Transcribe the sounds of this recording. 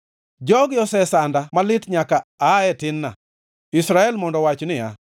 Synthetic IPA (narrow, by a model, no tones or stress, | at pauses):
d͡ʒɔɡjɔsɛsandamalɪtɲakaːɛtɪnːa | isɾaɛlmɔndɔwat͡ʃnɪa